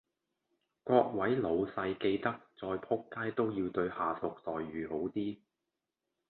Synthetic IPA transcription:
kʷɔː˧k̚wɐ˨˥jlo˨˧wsɐ˧jke˧jt̪ɐ˥k̚t͡sɔː˧jpʰʊ˥kːaː˥jt̪o˥wjiː˧wt̪ɵ˧ɥhaː˨˩t̪ʊ˨k̚t̪ɔː˨jɥyː˨ho˨˥wt̪iː˥

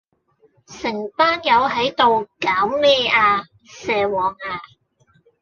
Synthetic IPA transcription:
sɪ˨˩ŋpaː˥njɐ˨˧wɦɐ˨˥jt̪o˨wkaː˨˥wlɛː˥aː˧ | sɛː˨˧wɔː˨˩ŋaː˧

